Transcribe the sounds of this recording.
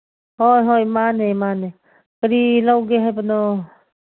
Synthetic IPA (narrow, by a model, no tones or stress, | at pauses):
hɔjɦɔjmanemane | kəɾilawɡeɦajpənɔ